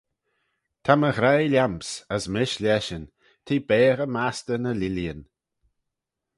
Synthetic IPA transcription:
t̪ʰaməɣɾajlʲampsəsmɪʃlʲɛʃən | t̪ʰiːbɛːɣəmast̪ənəliljən

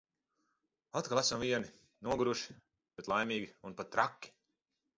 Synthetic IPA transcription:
at̪̚kalˠasamviɛni | nuɔɡuɾuʃi̥ | b̥et̪lˠajmʲiːɡʲiunpat̪ːɾakʲːi̥

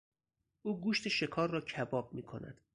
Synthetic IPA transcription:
ʔuːɡuːʃt̪ʰeʃe̞kʰɒːrːɒːcʰæbɒːb̚miːkʰo̞̰næ̰d̪̥

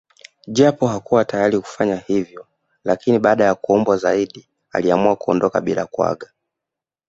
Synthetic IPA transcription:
ʄapɔɦakuwatajaɾiku̥faɲahivjɔ | lakiniɓaːɗajakuɔmbwazaiɗi | a̰liamuakuɔ̰ndɔka̰ɓila̰kwa̰ɠa

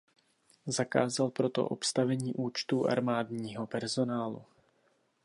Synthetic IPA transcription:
zaka̰ːzalpɾo̞t̪o̰ʔo̞̰pst̪avɛɲiːʔuːt͡ʃt̪uːʔa̰ɾmaːdɲiːɦo̞pɛɾzo̞naːlṵ

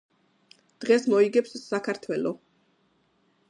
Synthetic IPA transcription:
d̪̥ʁɛsmɔiɡɛpsːakʰaɾt̪ʰwɛlˠɔ

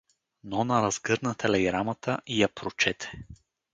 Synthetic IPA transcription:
nɔnɐɾɐz̥ɡɤɾnət̪ɛlɛɡɾamɐt̪ʰəʔijɐpʰɾot͡ʃɛt̪ʰɛ̥

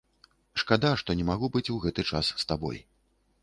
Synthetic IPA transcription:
ʂkad̪aʂt̪ɔnʲɛmaɣubɨt͡sʲuwɣɛt̪ɨt͡ʂasːt̪abɔ̰j

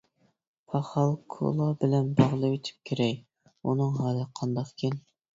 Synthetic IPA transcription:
pʰɑχɑlˠkʰo̰lˠɑbɪlɛnbɑʁlˠɨwet̪ʰy̥p̚kʲʰeɾɛj | unɨŋɦɑːlɨqʰɑnd̪ɑqkʲʰen

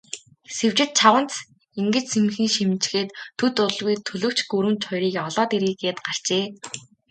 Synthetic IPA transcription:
sew̥t͡ɕɪ̆t̪̚t͡ɕʰawə̆n̥t͡s | iŋɡɘ̆t͡ɕsʰemxiːŋʃimt͡ɕxeːt̪ʰːɵt̪ʊɮɣujt̪ʰɵɮɵ̆ːwt͡ɕɡɵɾɘ̆mnt͡ɕχɔjɾiːkɔɮɔːt̪eɾiːɡeːt̪ɢar̥t͡ɕeː

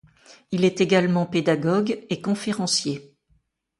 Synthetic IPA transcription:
ilɛt̪eɡalmɑ̃ped̪aɡɔɡekɔ̃feʁɑ̃sje

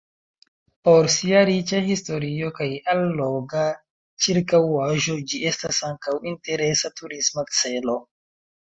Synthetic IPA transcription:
po̞ɾsiaɾit͡ʃahisto̞ɾio̞kajalːoɡa | t͡ʃiɾkawaʒo̞d͡ʒie̞stasaŋkawinte̞ɾe̞satuɾismat͡se̞lo̞

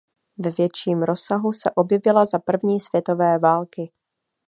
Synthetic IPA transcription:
vɛvjɛt͡ʃiːmɾo̞saɦusɛʔo̞bjɛvɪlazapr̩vɲiːsv̥jɛt̪o̞vɛːvaːlkɪ

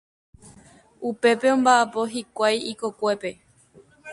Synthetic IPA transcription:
upe̞pe̞õ̞mbaʔapo̞ɦikʷajiko̞kʷe̞pe̞

